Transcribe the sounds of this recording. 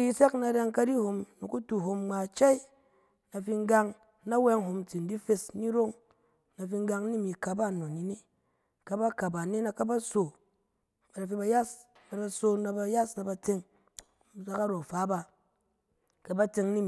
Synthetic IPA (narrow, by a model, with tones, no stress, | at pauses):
i˦i˦se˦kna˧ɾa˧ŋka˦di˦ho˧mnu˨ku˦tu˨ɦo˧mŋ͡ma˨t͡ʃa˦i˦ | na˨fi˧ŋ˦ɡa˧ŋ | na˦wɛ˧ŋɦo˧mti˨n̩˦di˦fe˧sni˦ɾo˦ŋ | na˨fi˧ŋ˦ɡa˧ŋni˦mi˨ka˨ba˦˨no˨ni˨ni˦ | ka˦ba˦ka˨ba˨ne˦na˧ka˦ba˦so˨ | ba˨ɾa˨fi˧ba˧ja˦s | ba˨ɾa˧so˧na˧ba˧ja˦sna˨˧ba˧te˧ŋ˦ | za˦ka˦ɾo˨fa˨˦ba˧ | ka˨ba˦te˧ŋni˦m˨